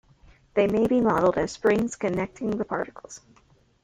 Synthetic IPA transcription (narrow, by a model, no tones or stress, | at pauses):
ðeɪmeɪbimɑɾl̩ˠdɨz̥spɹɪ̃ŋz̥kʰɨnɛk̚tʰɪ̃ŋðɨpʰɑ̰ɹɾɨkʰl̩ˠz̥